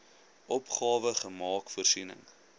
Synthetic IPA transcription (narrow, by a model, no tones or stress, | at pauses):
ʔɔpχɑːvəχəmɑːkfuərsinə̰ŋ